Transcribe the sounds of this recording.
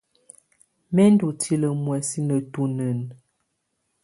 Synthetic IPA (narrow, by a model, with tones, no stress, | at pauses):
mɛ˦n˦du˨tʰi˦lə˨mwɛ˨si˦nə˨tu˦nə˨n